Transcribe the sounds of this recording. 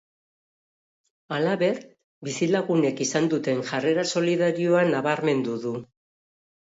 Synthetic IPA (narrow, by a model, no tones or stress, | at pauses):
alaβe̞ɾ | bisilaɣune̞kisand̪ut̪e̞ŋʝare̞ɾaso̞liðaɾio̞anaβaɾme̞nd̪uðu